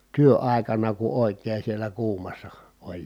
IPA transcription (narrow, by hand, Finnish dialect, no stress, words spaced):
tyøɑˑi̯kɑnɑ ku oˑi̯keː sielæ kuːmɑsːɑ olʲ